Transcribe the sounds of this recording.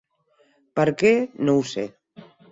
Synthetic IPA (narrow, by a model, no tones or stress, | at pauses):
pəɾkenowsḛ